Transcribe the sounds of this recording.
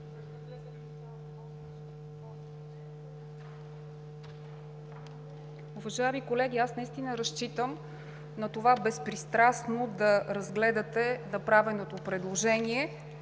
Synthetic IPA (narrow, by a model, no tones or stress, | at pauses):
uvɐʒaɛmikolɛɡ̟ʲiasnɐist̪inəɾɐʃt͡ʃit̪əm | nɐt̪ovabɛspɾist̪ɾasnod̪ɐɾɐzɡlɛd̪ət̪ɛnɐpɾavɛnot̪opɾɛd̪lˠoʒɛniɛ